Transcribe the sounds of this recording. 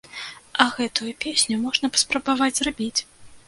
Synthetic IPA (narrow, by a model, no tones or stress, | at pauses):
ɐɣɛt̪ujupʲesʲnʲumɔʐnɐpɐ̥spɾɐbavad͡zʲzrabʲit͡sʲ